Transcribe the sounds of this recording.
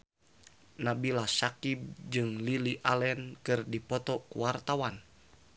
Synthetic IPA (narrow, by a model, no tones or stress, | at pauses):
nabilasakib̚d͡ʒɨŋliliʔalɛnkɨrdipɔt̪ɔkṵwart̪awan